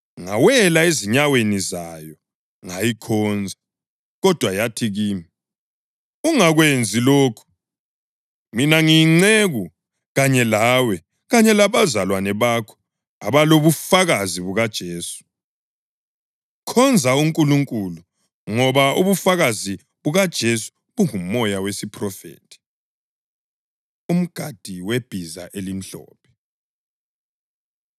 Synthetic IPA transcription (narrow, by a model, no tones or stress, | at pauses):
ŋawɛlaeziɲawenizajɔ | ŋajikʰɔnd͡zʱa | ɣɔd̥ʱwajatʰiɣiːmi | uŋaɣwend͡zʱiloːkʰu̥ | minaŋiŋ͡ǀeɣu | ɣaɲɛlawɛ | ɣaɲɛlaβazalwanɛβakʰɔ̥ | a̰βaloβufaɣaziβuɣad̥ʒ̥ʱeːsu̥ | kʰɔnd͡zʱauŋkʼuluŋkʼulu | ŋɔβauβufaɣazi | βuɣad̥ʒ̥ʱesu̥ | βuŋum̩ːɔjawesipʰʼrɔfḛːtʰʼi̥ | um̩ɡ̥ʱad̥ʱiweb̥ʱiza̰ʔelim̩ɬɔ̰ːpʰɛ̥